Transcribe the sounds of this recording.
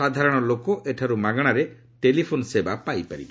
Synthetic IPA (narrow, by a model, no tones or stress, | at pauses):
ad̪ʱaɾɔɽ̃ɔlokɔʔeʈʰaɾumaɡɽ̃aɾe | ʈelipʰonɔsebapajpaɾḭbɔ